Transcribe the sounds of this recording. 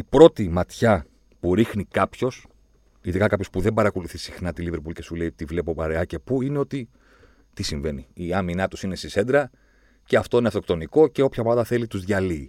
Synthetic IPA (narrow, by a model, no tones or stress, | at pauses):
ipɾo̞t̪imɐt̪çɐ | puɾixnikɐpço̞s | iðikɐkɐpço̞spuðe̞mbɐɾɐko̞luθisixnɐt̪iliveɾpulce̞sule̞ipt̪ivle̞po̞pɐɾeɐce̞puine̞o̞t̪i | t̪isiɱve̞niiɐminɐt̪usine̞sise̞nd̪ɾɐ | ce̞ɐft̪o̞ineɐft̪okt̪o̞niko̞ce̞o̞pçɐmɐðɐθe̞lit̪uzðʝɐli